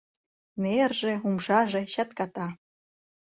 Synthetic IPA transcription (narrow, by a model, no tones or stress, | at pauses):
nerʒĕumʒɑʒĕɕɑt̪kɑt̪ɑ